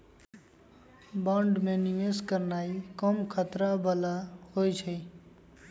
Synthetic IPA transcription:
baɳɖmẽnieskəɾnaːikɔmkʰət̪ɾabəlahojt͡ʃʰɛ

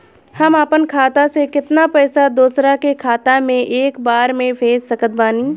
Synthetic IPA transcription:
hɐmaːpənkʰaːt̪asekɪt̪napɛːsad̪uoːsɾakekʰaːt̪amẽʔeːkbaːɾmẽpʰeːzsɐkət̪̚baːniː

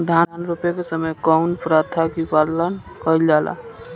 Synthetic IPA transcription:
d̪ʱananɾupekesəməjkɔʊnpɾat̪ʰakipallən | kəild͡ʒala̰

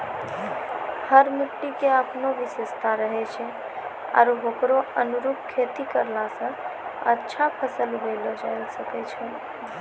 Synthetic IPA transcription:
həɾmiʈːikeəpnoʋisest̪ʰaɾəɦɛt͡ʃʰɛ | a̰ɾɦokɾoənuɾup̚kʰet̪ikəɾlasə̃ə̰tːʃʰapʰəsəlbelɔd͡ʒajlsəkɛt͡ʃʰɛ

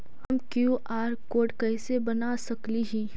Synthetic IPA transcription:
hɐmkjuʔaːɾkoːʈkɛːsebɐnasɐkliɦĩː

